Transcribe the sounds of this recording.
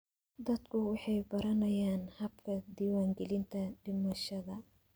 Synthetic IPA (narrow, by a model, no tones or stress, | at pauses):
d̪ɐd̪kʰʊwɑħɑjbɐɾɐnɐjaːnhɐbkʰɐd̪iːwaːŋɡɛlɪnt̪ʰɐɖɪmɐʃɐðɐ